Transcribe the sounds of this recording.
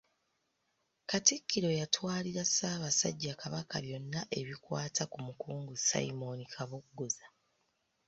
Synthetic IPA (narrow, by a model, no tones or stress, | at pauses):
katikʰːiɾo̞jatwaːliɾasaːβasa̰ɟːakaβakaβjo̞nːaʔe̞βikwaːtʰakumukuːŋɡusa̰imo̞nikʰaβukɡoza